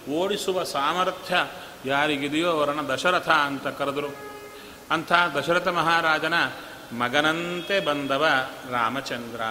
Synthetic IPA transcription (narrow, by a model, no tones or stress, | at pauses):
oːɽisuʋɐsaːmɐɾt̪ʰjɐ | jaːɾiɡid̪ijoːɐʋɐɾɐnɐd̪ɐʃɐɾɐt̪ʰɐɐnt̪ɐkɐɾɐd̪ɐɾu | ɐnt̪ʰɐd̪ɐʃɐɾɐt̪ʰɐmɐɦaːɾaːd͡ʒɐnɐ | mɐɡɐnɐnt̪ebɐnd̪ʱɐʋɐɾaːmɐt͡ʃɐnd̪ɾɐ